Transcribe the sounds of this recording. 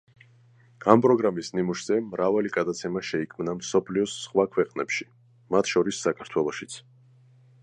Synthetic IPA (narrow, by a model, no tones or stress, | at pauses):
ɡ̥ampʼɾɔɡɾamisnimuʃz̥ɛmɾavaliɡ̥ad̪at̪sʰɛmaʃɛikʰmnamsɔpʰliɔsːχwakʰwɛqʼnɛpʃi | mat̪ʰʃɔɾisːakʰaɾt̪ʰwɛlˠɔʃit̪sʰ